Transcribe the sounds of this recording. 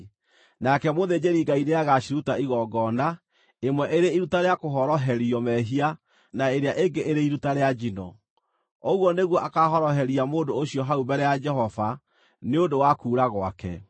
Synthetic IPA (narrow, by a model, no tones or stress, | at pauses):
nakɛmoðed͡ʑeɾiɡaineaɣaʃiɾutaiɣɔɡɔna | emwɛʔeɾeiɾutaɾeakoɦɔɾɔɦɛɾiɔmɛɦia | naeɾeaʔeŋɡeʔeɾeiɾutaɾead͡ʒinɔ̰ | oɣwɔneɣwɔʔakaɦɔɾɔɦɛɾiamoːdoːɕjɔɦaubɛɾɛjad͡ʒɛɦɔva | neodowakuːɾaɣwa̰kɛ̰